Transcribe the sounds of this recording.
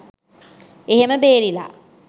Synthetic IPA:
eɦeməbeːɾila̰

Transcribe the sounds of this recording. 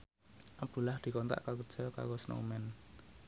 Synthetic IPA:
ʔab̚d̪̥ṳlahd̪̥i̤kɔnt̪a̰ʔkaɡəd̥ʒ̥ɔka̰ɡosno̰mɛn

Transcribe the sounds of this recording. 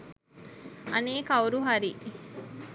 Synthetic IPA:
ɐ̰niːkɐuɾuɦaɾi

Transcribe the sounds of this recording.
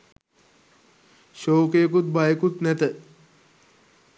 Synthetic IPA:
ʃoːkejəkut̪̚bajəkut̪næt̪ə

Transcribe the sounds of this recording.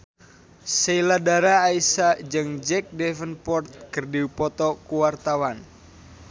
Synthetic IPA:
seiladaɾaːisad͡ʒɨŋd͡ʒɛk̚dɛvənpɔrt̪̚kərdiupɔt̪ɔkuwart̪awan

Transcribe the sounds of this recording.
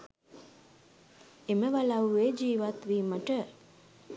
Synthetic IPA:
eməʋalaweːd͡ʒiːʋat̪ʋiːməʈə

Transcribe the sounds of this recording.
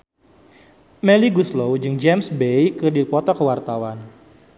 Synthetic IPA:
mɛliɡuslowd͡ʒɨŋd͡ʒɛmsbejkɨrdipɔt̪ɔkəwart̪awan

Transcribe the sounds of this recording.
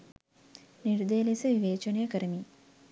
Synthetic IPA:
niɾd̪əjəlisəʋiʋeːt͡ʃənəjəkəɾəmi

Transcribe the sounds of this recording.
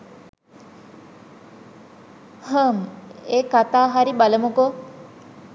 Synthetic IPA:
həmeːkat̪aːɦaɾibaləmuko

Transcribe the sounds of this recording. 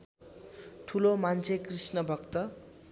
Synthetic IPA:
ʈʰulomant͡sʰekrisnʌbʱʌkt̪ʌ

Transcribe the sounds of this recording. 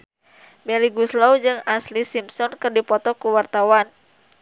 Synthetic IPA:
bɛliɡuslawd͡ʒɨŋaslisimsɔnkɨrdipɔt̪ɔkuwart̪awan

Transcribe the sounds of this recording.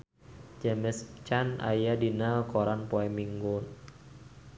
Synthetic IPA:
d͡ʒamɛst͡ʃana̰jadinakɔɾanpɔɛmiŋɡɔn

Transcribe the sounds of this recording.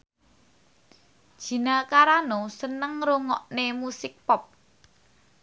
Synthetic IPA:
d̥ʒ̥i̤nakaɾanosənəŋɾoŋɔ̰ʔnemusɪk̚pɔp̚

